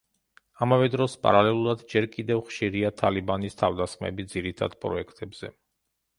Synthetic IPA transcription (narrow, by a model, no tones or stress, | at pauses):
amavɛd̪ɾɔspʼa̰ɾalɛlˠuɾad̪d͡ʒɛɾkʼid̪ɛvχʃiɾiat̪ʰalibanist̪ʰavd̪asχmɛ̰bid̪ziɾit̪ʰa̰d̪̥pʼɾɔ̰ɛkʰt̪ʼɛbz̥ɛ